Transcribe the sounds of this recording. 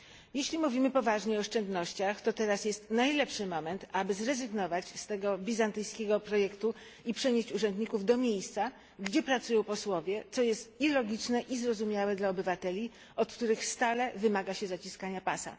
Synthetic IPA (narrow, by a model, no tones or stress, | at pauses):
jeɕlʲimuvʲimɘpɔvaʐɲɛɔɔʂt͡ʂɛnd̪nɔɕt͡ɕaxt̪ɔt̪ɛɾasjɛst̪najlɛpʂɘmɔmɛnt̪abɘzɾɛzɘɡnɔvat͡ɕst̪ɛɡɔbʲizant̪ɘjskʲɛɡɔpɾɔjɛkt̪u | ipʂɛɲeɕt͡ɕuʐɛnd̪ɲikuvd̪ɔmʲjejst̪sa | ɡd͡ʑɛpɾat̪sujɔ̃w̃pɔswɔvʲjɛt̪sɔjɛst̪ilɔɡʲit͡ʂnɛʔizɾɔzumʲjawɛd̪laɔbɘvat̪ɛlʲi | ɔt̪kt̪uɾɘxst̪alɛvɘmaɡaɕɛzat͡ɕiskaɲapasa̰